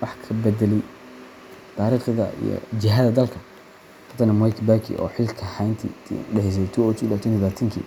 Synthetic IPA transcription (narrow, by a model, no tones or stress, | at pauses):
wɑħkʰɐbɛd̪ɛlɛj | t̪ʰaːɾiːχðɐ̰ḭjɔ̰t͡ʃɪɦaðɐd̪ɐlkʰɐ | fʰɐt̪ʰɐnɐmɔjkʰbakʰḭʔɔ̰ːħɪlkʰɐhajnt̪ʰḭɖɛħɪs̬ɛjt̪ʰɔɔːt̪ʰːlaːt̪ʰɔnβaːt̪ʰɐŋkʰḭː